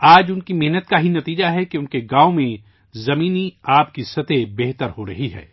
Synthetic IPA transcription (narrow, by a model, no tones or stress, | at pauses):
aːd͡ʒʊnkimɛɦnət̪̚kaɦinɐt̪iːd͡ʒaɦɛkeʊnkeɡãːomẽ | zɐmiːniaːpkisɐt̪ebɛɦt̪əɾhoɾɐɦiɦɛ̰ː